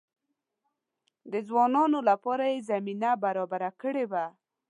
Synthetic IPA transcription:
d̪əzwɑnɑnolapɑɾajezaminabaɾɑbaɾakəɽewa

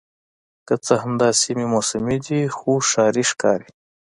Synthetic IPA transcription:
kət͡səɦɐmd̪ɑːsimimosəmid̪ixuʂɑːɾiʂkɑ̰ːɾi

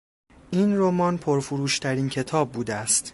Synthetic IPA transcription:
ʔiːnromɒːnpʰoɾfuɾuːʃt̪ʰæɾiːncʰe̞t̪ʰɒːb̚ːuːd̪eæst̪

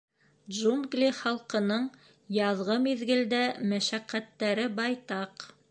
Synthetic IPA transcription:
d̪ʒumɡlʲiχɑlˠqɤ̆nɤɴ | jɑðʁɤmiðɡɘ̆ld̪æmæʃæqːæt̪ːæɾɘbɑjt̪ɑq

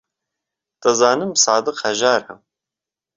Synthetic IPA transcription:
t̪ɐzɑːnɨmsɑːd̪ɨqhɛʒɑːɾhɐm

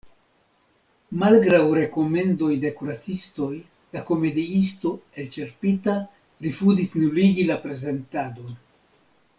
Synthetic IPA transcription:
malɡɾawɾe̞ko̞me̞ndo̞jde̞kuɾat͡sisto̞j | lako̞me̞diisto̞e̞lt͡ʃe̞ɾpita | ɾifuzisnuliɡilapɾe̞ze̞ntado̞n

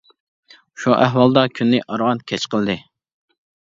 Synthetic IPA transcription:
uʃuʔæɦwɑlˠd̪ɑkʲʰynːɪʔɑɾwɑnkʲʰɛt͡ʃqəlˠd̪ɨ

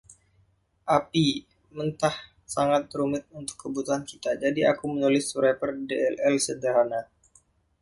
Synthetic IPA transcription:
ʔapi | mənt̪ah | saŋat̪̚ɾumɪt̪̚unt̪ʊ̥kːəbut̪uɦankit̪ad͡ʒadia̰kumənulɪsuɾapərdeɛlɛlsədaɾana

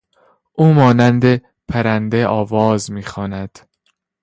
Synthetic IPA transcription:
ʔuːmɒːnænd̪e̞ | pʰæɾænd̪eʔɒːvɒːzmiːxɒːnæd̪̥

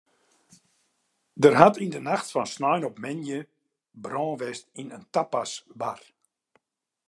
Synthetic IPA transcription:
dərɦatindənaxtfɔnsnɔjnɔpmɪnjə | brɔ̃ːʋɛstinəntapasʋa̰r

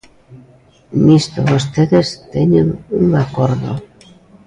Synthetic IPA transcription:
mist̪oβost̪eðest̪eɲeŋuŋakoɾðo̰

